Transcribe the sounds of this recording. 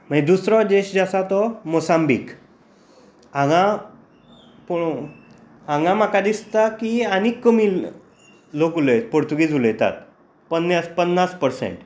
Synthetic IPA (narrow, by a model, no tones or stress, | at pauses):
m̤ãid̪usɾɔd̪eɕd͡zasat̪ɔmosambḭk | ãŋɡã | poɽ | ãŋɡãm̤akad̪ist̪akianikːəmil | lokuləjpoɾt̪uɡid͡zuləjt̪a̰t̪̚ | pənːjaspənːaspəɾsḛɳʈ